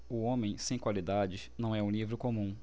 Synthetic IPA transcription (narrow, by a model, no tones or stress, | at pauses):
ʊõmẽj̃sẽj̃kwalid̪ad͡ʒɪnɐ̃w̃ɛũlivɾʊkomũ